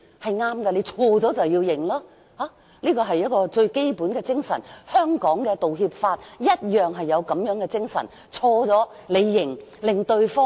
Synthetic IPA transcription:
hɐ˨jŋaː˥mɡɐː˧le˨˧t͡sʰɔː˧t͡sɔː˨˥t͡sɐ˨wjiː˧wjɪ˨˩ŋlaː˥ | haː˨˥ | liː˥kɔː˧ɦɐ˨jɐ˥t̚kɔː˧t͡sɵ˧ɥke˥jpuː˨˥nkɛː˧t͡sɪ˥ŋsɐ˨˩nhœː˥ŋkɔː˨˥ŋkɛː˧t̪o˨wɦiː˧p̚faː˧t̚jɐ˥t̚jœː˨ŋɦɐ˨jːɐ˨˧wkɐ˨˥mjœː˨˥ŋkɛ˧t͡sɪ˥ŋsɐ̰˨˩n | t͡ʃʰɔː˧t͡sɔː˨˥ | le˨˧jːɪ˨˩ŋlɪ˨˩ŋt̪ɵ˧ɥfɔː˥

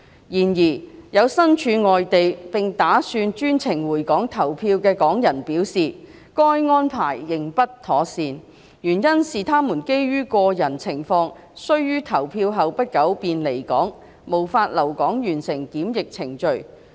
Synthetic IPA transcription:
jiː˨˩njiː˨˩jɐ˨˧wsɐ˥nt͡ʃʰyː˨˧ŋɔː˨jt̪e˨jpɪ˨˩ŋt̪aː˨˥syː˧nt͡ʃyː˥nt͡sʰɪ˨˩ŋwuː˨˩jkɔː˨˥ŋt̪ʰɐ˨˩wpʰiː˧wkɛː˧kɔː˨˥ŋjɐ˨˩npiː˨˥wsiː˨ | kɔː˥jŋɔː˥npʰaː˨˩jːɪ˨ŋpɐ˥tt̪ʰɔː˨˥siː˨˧n | jyː˨˩njɐ˥nsiː˨˩t̪ʰaː˥muː˨˩nke˥jɥyː˥kɔː˧jɐ˨˩nt͡sʰɪ˨˩ŋfɔː˧ŋ | sɵ˥ɥjyː˥t̪ʰɐ˨˩wpʰiː˧wɦɐ˨wpɐ˥t̚kɐ˨˥wpiː˨nle˨˩jkɔː˨˥ŋ | mo˨˩wfaː˧t̚lɐ˨˩wkɔː˨˥ŋjyː˨˩nsɪ˨˩ŋkiː˨˥mjɪ˨k̚t͡sʰɪ˨˩ŋt͡ʃɵ˨ɥ

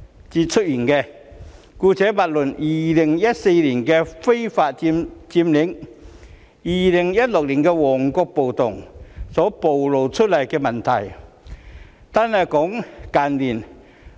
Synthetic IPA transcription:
t͡siː˧t̚t͡ʃʰɵ˥t̚jiː˨˩nkɛ˧ | kuː˧t͡sɛː˨˥pa˨t̚lɵ˨˩njiː˨lɪ˨˩ŋjɐ˥t̚se˧jliː˨˩nkɛː˧fe˥jfaː˧t̚i˧mt͡siː˧mlɪ˨˥ŋ | jiː˨lɪ˨˩ŋjɐ˥t̚lʊ˨k̚liː˨˩nkɛː˧wɔː˨˩ŋkɔː˧k̚po˨wt̪ʊ˨˩ŋsɔː˨˥po˨wlo˨wt͡ʃʰɵ˥t̚lɐ˨˩jkɛː˧mɐ˨˩nt̪ʰɐ˨˩j | t̪aː˧nhɐ˨jkɔː˨˥ŋkaː˨nliː˨˩n

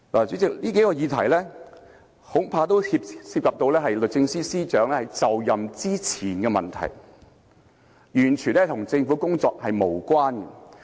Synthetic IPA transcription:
laː˨t͡syː˨˥t͡sɪ˨k̚liː˥ke˨˥kɔː˧jiː˨˧t̪ʰɐ̰˨˩jlɛː˥ | ho˨˥ŋpʰaː˧t̪o˥whi˧p̚sʰiː˧p̚kaː˨p̚t̪o˧wlɛː˥ɦɐ˨jlɵ˨t̚t͡sɪ˧ŋsiː˥siː˥t͡ʃœː˨˥ŋlɛː˥hɐ˨jt͡sɐ˨wjɐ˨mt͡siː˥t͡sʰiː˨˩nkɛ˧mɐ̰˨nt̪ʰɐ̰˨˩j | jyː˨˩nt͡ʃʰyː˨nɛː˥t̪ʰʊ˨˩ŋt͡sɪ˧ŋfu˨˥kʊ˥ŋt͡sɔː˧k̚hɐ˨jmo˨˩wkwaː˥nkɛ˧

